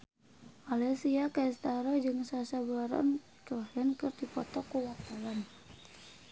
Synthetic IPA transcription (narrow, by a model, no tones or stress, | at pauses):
malɛsiakaist̪aɾɔd͡ʒɨŋsasabaɾɔ̰n | tɔɦɛnkɨrdipɔt̪ɔkuwat̪awan